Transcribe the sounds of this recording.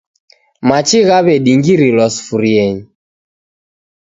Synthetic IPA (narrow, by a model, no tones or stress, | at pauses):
mat͡ʃiɣaβɛɗiŋɡiɾilɔsfuɾiɛɲi